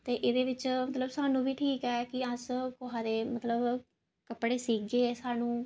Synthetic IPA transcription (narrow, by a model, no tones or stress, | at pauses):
t̪eːʔeːd̪eːʋɪt͡ʃmət̪ləbsaːnũːbʱiːʈʰiːkɛːkɪəskʊɦaːd̪eːmət̪ləb | kəpɽeːsiːɡeːsaːnũː